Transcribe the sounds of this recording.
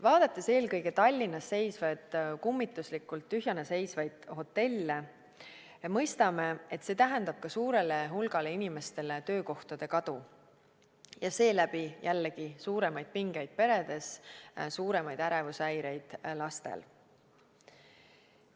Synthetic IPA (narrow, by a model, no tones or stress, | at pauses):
vɑːd̪̥ɑt̪ːˑe̞se̞ːlkɤjɡet̪ɑlʲːinːɑsːe̞jsvɑd̪̥kumːit̪ˑːuslikːˑult̪ːyɦjɑnese̞jsvɑjd̪̥ho̞t̪ːe̞lʲːe | mɤjst̪ɑme̞e̞t̪ːse̞ːt̪æɦænd̪ɑb̥̚kɑsuːɾe̞le̞ɦulɡɑle̞inime̞st̪e̞le̞t̪ø̞ːko̞ht̪ɑd̪̥e̞kɑd̪̥u | jɑse̞ːlæbijʔælːeɡ̥isuːɾe̞mɑjd̪̥̚piŋɡ̥e̞jd̪̥̚pe̞ɾe̞d̪̥e̞ssuːɾe̞mɑjd̪̥æɾevusæjɾe̞jd̪̥lɑst̪ḛl